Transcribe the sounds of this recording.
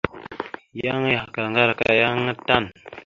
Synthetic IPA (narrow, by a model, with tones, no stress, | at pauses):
ja˦ŋ˦ja˨ka˨a˨ŋɡa˦ɾa˨ka̰˦˨ja˦ŋə˦ta˦˨n